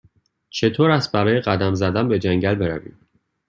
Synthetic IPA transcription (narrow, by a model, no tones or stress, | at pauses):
t͡ʃʰe̞t̪ʰoːɾæst̪̚bæɾɒːjeɢæd̪æmzæd̪æmbe̞d͡ʒæŋɟælbe̞ɾævḭːm